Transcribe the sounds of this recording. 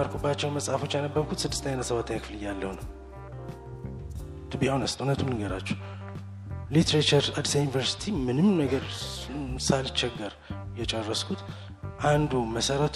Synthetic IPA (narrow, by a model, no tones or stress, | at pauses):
əɾkʰubːat͡ʃːɛwnməsʼafo̞t͡ʃːjanəbːəɾkʰut̪sɨd̪ːɨst̪ʰəɲːanːət̪səβat̪ʰəɲakʰɨfɨlɨjːalːə̰hunəw | d̪ʰɨbiawnəst̪ʼhunət̪ʰumnɨɡəɾa̰t͡ʃːɛw | lit̪ʰɾet͡ʃəɾad̪sajunivəɾsi̥t̪ʰimɨnɨmnəɡəɾ | salɨt͡ʃːɛɡːəɾ | jɛt͡ʃʼərːəskʰut̪ | ʔand̪uməsəɾət̪